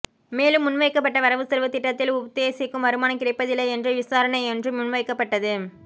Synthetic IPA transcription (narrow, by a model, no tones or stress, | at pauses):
meːlɯmːʊnʋɐɪkːɐpːɐʈːɐʋɐɾɐʋɯsɛlʋɐt̪ːɪʈːɐt̪ːɪlʊbɐt̪ːejɐsɪkːɯmʋɐɾɯmaːnɐkːɪɾɐɪpːɐðɪlːɐɛndrɯʋɪsaːɾɐɳɐɪɛndrɯmʊnʋɐɪkːɐpːɐʈːɐðɯ